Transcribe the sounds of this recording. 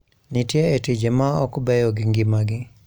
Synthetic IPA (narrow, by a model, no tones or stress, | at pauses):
nitjeetid͡ʒemaɔkbɛjɔɡiŋɡɪmaɡɪ